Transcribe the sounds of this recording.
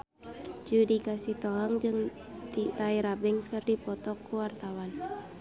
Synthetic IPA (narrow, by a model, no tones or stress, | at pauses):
d͡ʒudikasiht̪ɔɦaŋd͡ʒɨŋ | t̪it̪aiɾabɛŋskərdipɔt̪ɔkːuwart̪awan